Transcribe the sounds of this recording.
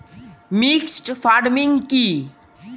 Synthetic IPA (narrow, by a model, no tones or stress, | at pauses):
miksʈfʰaːɾmiŋɡki